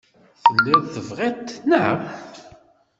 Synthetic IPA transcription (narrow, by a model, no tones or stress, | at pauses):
θənːəðθəvʁit̪ːnə